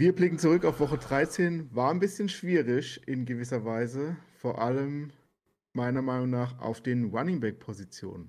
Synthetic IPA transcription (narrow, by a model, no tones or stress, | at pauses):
viːɐblɪkŋ̩t͡suʁʏkaʊfv̥ɔχədʁaɪt͡seːnvaːɐanbɪsçənʃv̥iːʁɪçʔɪnɡəvɪs̬ɐvaɪzəfoːɐʔaləm | maɪnɐmaɪnʊŋnaːχa̰ʊfd̥eːnʁanɪŋbɛk̚pʰozit͡sjo̰ːnən